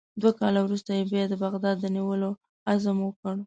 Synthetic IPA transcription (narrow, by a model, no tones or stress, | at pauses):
d̪wakɑlawɾust̪ajebjɑd̪əbaɣd̪ɑd̪ːəniwəlo | azəmwəkəɽ